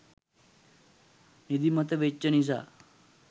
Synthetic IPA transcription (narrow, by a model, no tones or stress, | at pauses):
nid̪imət̪ɐʋet͡ɕːənis̬a̰